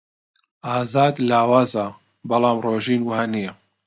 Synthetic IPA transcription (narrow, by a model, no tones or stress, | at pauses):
ʔaːzaːd̪laːwaːza | bɐlˠɑːmroːʒiːnwhanijɐ